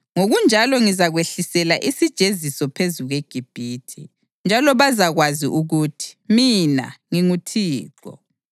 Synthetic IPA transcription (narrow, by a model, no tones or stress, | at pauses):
ŋoɣund͡ʒʱalɔŋizaɣweɬisɛlaʔisid̥ʒ̥ʱezisɔpʰezuɣweɡ̥ʱib̥ʱiːtʰḭ | nd͡ʒʱalɔβazaɣwazḭʔuɣutʰi̥mina̰ŋiŋutʰiːǃɔ̰